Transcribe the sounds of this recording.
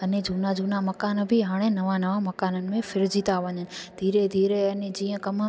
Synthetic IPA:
əned͡ʒʱuːnad͡ʒʱuːnaməkaːnbʱiɦaːɽ̃enɐʋãnɐʋãmɐkaːnənɪ̆mẽfʰɪɾd͡ʒiːt̪aʋəɲənɪd̪ʱiːɾed̪ʱiːɾeəned͡ʑĩːə̃kəm

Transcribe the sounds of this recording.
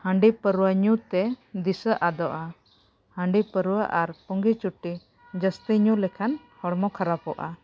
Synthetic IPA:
həɳɖipəɾuwaɲut̪ɛd̪isəʔad̪ɔʔa | həɳɖipəɾuwaʔaɾpɔŋɡit͡ʃuʈi | d͡ʒəst̪iɲulɛkʰan | hɔɽmɔkʰaɾapɔʔa̰

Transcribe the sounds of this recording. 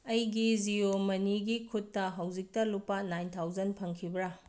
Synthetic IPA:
ɐjɡid͡ʒiomɐniɡikʰutːɐɦɐwd͡ʒik̚tɐlupːɐnajntʰawd͡ʒɐnpʰɐŋkʰibɾɐ

